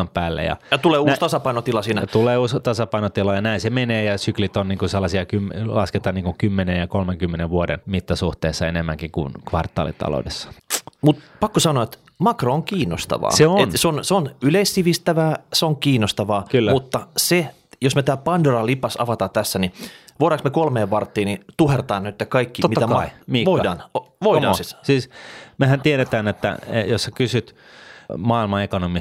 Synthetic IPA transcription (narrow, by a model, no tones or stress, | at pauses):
mpæːlːḛjɑ̰jɑt̪uleːusst̪ɑsɑpɑinot̪ilɑsiːnæt̪uleːuːst̪ɑsɑpɑinot̪ilɑjɑnæĩnsemeneːjɑsyklit̪onniːŋkuselːɑsiɑkymlɑsket̪ɑːniːŋkuŋkymːenejjɑkolmeŋkymːeneʋʋuodḛnmit̪ːɑsuht̪eːsːɑenemːæŋkikṵnkʋɑrt̪ːˑɑ̰ːlḭt̪ːɑ̰lo̰udesːɑ̥mut̪pɑkːosɑnoɑet̪ | mɑkrooŋkiːnːo̰st̪ɑ̰ʋɑ̰ːseoenseonseonyleisːiʋist̪æʋæːseoŋkiːnːost̪ɑʋɑːkylːmut̪ːɑse | josmet̪æːpɑndorɑlipɑsɑ̰ʋɑt̪ɑːt̪æsːæniʋoɾɑksmekolmeːʋʋɑrt̪ːiːnit̪uhert̪ɑːnnyt̪ːækɑikːiomit̪ːɑæmɑmiʋoidɑːnoʋoidɑsissiːsmehænt̪ieɾet̪æːnet̪ːæ̰jossɑkysyt̪ | mɑːilmɑekonomi